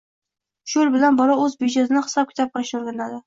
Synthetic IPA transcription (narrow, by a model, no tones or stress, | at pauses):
ʃʊɪlbɪlanbɒlɒɵzbid͡ʒezɪnɪχɨ̥sɒp̚kʲʰɪt̪ap̚qaʃoɾɡʲanlad̪ɪ